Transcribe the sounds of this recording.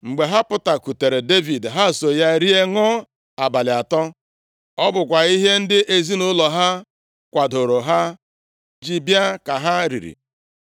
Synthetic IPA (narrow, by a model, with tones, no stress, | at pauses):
ŋ͡m̩˨ɡ͡be˨ɦa˦pʊ˦ta˨ku˨te˨ɾe˨de˦vi˨dɦa˦˨so˨ja˦ɾi˦e˦ŋɔ˦ | a˨ba˨lɪ˨a˨tɔ˦ | ɔ˦bʊ˨k̬ʷa˨i˦ɦe˦n̩˦dɪ˦ʔe˨zi˦nʊ˦lɔ˨ɦa˦ | kʷa˨dʊ˨ɾʊ˨ɦa˦ | d͡ʒi˨bja˦ka˨ɦa˦ɾḭ˨ɾḭ˨